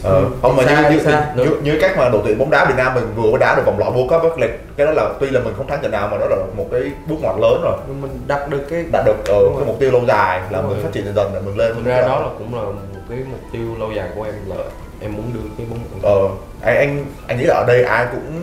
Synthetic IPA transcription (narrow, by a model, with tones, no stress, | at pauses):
ʔəː˨˩kə˧˨˧wmaː˨˩ɲɨ˧ɲɨ˧˥˧ɨ˧ɲɨ˧˨˦ka˦˥jk̚maː˨˩ɗo˨˩t̪ḭ˧˨ə˨mɓɔ˨˦ŋ͡mɗaː˨˦vi˨˩ət̚naː˧mːï˨˩ŋ̟vɨ˨˩əɓəː˨˦jɗaː˨˦ɗk̚aː˨˩˨lɔ̰˧˩ɓu˧əkəː˦˥vaː˦˥li˨˩k̚kaː˨˦ɗɔ˨˦laː˨˩t̪wi˧laː˨˩mi˨˩ŋ̟xə˧ŋ͡mt̪ʰa˨˦ŋt͡ɕə̰˧˩naː˨˩wmaː˨˩ɗɔ˨˦laː˨˩mo˨˩t̚kaː˨˦jɓu˦˥k̚ŋwaː˨˩t̚ləː˨˦nzo˨˩jɲɨ˧mi˨˩ŋ̟ɗa˨˩t̚ɗɨ˨˩əkːaː˨˦jɗa̰ː˨˧˥ɗɨ˨˩ək̚ʔəː˨˩kaː˨˦jmʊ˨˩k͡p̚t̪i˧əwlə˧wzaː˨˩jlaː˨˩mi̟˨˩faː˦˥t̚t͡ɕḭ˧˨nə˨˩zə˨˩nɗḛ˧˩mï˨˩ŋ̟le˧n˧˦˧ɗɔ˨˦laː˨˩kʊ̰˧˥ŋ͡mlaː˨˩mo˨˩t̚kaː˨˦jmʊ˨˩k͡p̚t̪i˧əwlə˧wzaː˨˩jku˧˩ə˦ʔɛ˧mː˨˩ | ʔɛ˧mːu˨˦ənɗɨ˧əŋka˨˦jɓo˨˦˧ʔəː˨˩ | ʔa˧jŋ̟ʔa˧jŋ̟ʔa̰˧jŋḭ˧˥laː˨˩˨ɗə˧jʔaː˧jkʊ̰˧˥ŋ͡m